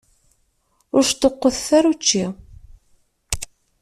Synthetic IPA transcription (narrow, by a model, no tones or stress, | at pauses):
ʊɾʃt̪əqːəθθaɾut͡ʃːi